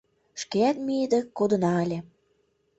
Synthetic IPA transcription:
ʃkeæt̪mied̪ĕkod̪ɤ̆nɑəlʲĕ

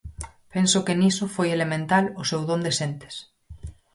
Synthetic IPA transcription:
pensʊkenisʊfojelemẽnt̪alʊsewðond̪esent̪e̥s

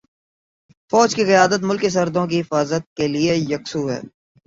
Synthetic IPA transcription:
fɔːd͡ʒkikɐjaːd̪ət̪̬mʊlkis̬ɐɾd̪õk̬iɦɪfaːzət̪̚keliejɐksuːɦɛ̰ː

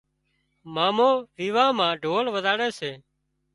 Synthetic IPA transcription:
maːmõːʋiːʋaːmãːɖʱoːlʋəzaːɽeːseː

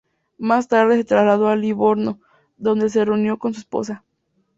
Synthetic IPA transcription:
mast̪aɾðe̞set̪ɾazlað̞o̞aliβo̞ɾno̞ | ðo̞nd̪e̞s̬e̞reunjo̞ko̞ns̬uespo̞̰sa

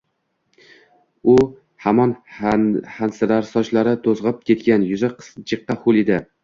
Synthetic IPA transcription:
ʊ | hamɒn | hansɪɾaɾsɒt͡ʃlaɾɪt̪ʰozʁɨp̚kʲʰe̞t̪kʲanjʊzaqʰst͡ʃʰɨqːɑholɪd̪ɪ

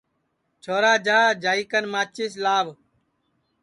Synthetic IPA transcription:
t͡ʃʰoːɾaːd͡ʒaːd͡ʒaːiːkənmaːt͡ʃiːslaːʋ

